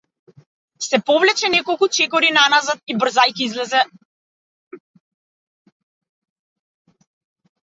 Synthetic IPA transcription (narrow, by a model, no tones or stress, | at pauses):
sɛpɔvlɛt͡ʃɛnɛkɔlˠkut͡ʃɛkɔɾinanazat̪̚ibr̩zajkiizlɛzɛ